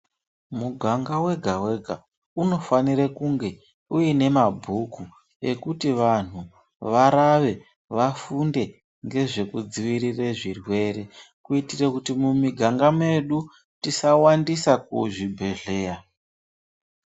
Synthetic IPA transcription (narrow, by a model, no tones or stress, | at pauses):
muɡʱaŋɡawe̞ɡʱawe̞ɡʱa | uno̞faniɾekuŋɡe̞ | uine̞mabʱuku | e̞̰kutiʋan̤u | ʋaɾaʋe̞ | ʋafunde̞ | ŋɡe̞ʐe̞kud͡ziʋiɾireʐirwe̞re̞ | kuitirekutimumiɡʱaŋɡame̞ɗu | tisawandisakuʐibʱe̞ɮe̞ːra